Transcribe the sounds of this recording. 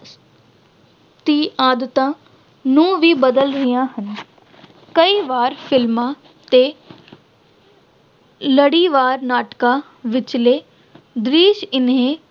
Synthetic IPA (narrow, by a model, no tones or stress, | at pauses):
t̪iːʔaːd̪ət̪ãː | nũːʋiːbəd̪əlɾɪjãːɦən | kəiːʋaːɾpʰɪlmãː | t̪eː | ləɽiːʋaːɾnaːʈkaː | ʋɪt͡ʃleː | d̪ɾiːʃɪnɦẽː